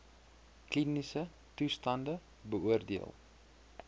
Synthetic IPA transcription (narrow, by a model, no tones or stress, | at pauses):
klinisə | tustɐndə | bəuərdiəlˠ